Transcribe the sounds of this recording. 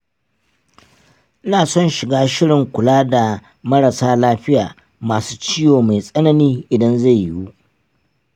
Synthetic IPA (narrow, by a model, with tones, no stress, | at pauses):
ʔɪ˦naː˨sɔ˦nʃɪ˨ɡaː˦ʃɪ˦ɽɪ˨ŋkʷʊ˨laː˦da˨ | mɐ˦ɾɐ˨saː˦laː˦ɸɪ˦jaː˨ | maː˨su̥ː˦t͡ʃɪː˦joː˨ma˨jsʼɐ˦nɐ˦niː˦ʔɪ˨dɐ˦nza˦˨ju˦ʔ